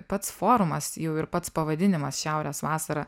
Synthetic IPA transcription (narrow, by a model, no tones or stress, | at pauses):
pɐt̪sfoːɾʊmɐsjɛʊɪɾpɐt̪spɐʋɐd̪ʲɪnʲɪmɐsʃʲæʊɾʲeːsʋɑːsɐɾɐ